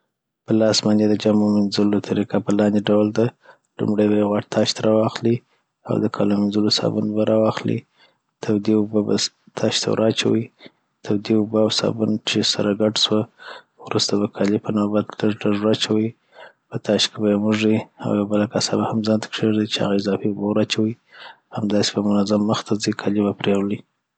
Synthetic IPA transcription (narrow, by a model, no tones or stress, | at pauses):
pəlɑsmaned̪əd͡ʒamomɪnzʊlot̪ʰaɾikapəlɑnd̪eɖawld̪a | lṵmɽajbajeɣwaʈ̚t̪ʰɑʃt̪ʰaɾɑwɑxli | a̰wd̪əkʰɑ̰lomɪnzulosɑ̰bunbaɾʔɑwɑxlḭ | t̪ʰawd̪iubaba̰ | t̪ʰɑʃt̪ʰa̰wɾʔɑt͡ʃa̰wi | t̪ʰawd̪iubəawsɑ̰bunt͡ʃesa̰ɾaɡaʈswə | wɾʔust̪abakʰɑlipənɑbad̪ləʐɖaʐwat͡ʃawi | pət̪ɑʃkebamuʐia̰wjawbəlakasa̰bahamzɑnt̪ʰḁkʂeʐd̪it͡ʃeha̰ɣaɪzɑfiʊbəwɾɑt͡ʃawi | hamd̪ɑse̥bamʊnazamːəxt̪ʰazikʰɑlibapɾewli